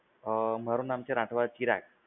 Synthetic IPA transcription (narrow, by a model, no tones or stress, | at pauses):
m̤əɾuːnamt͡ɕeɾãʈʰʋat͡ɕiɾa̰k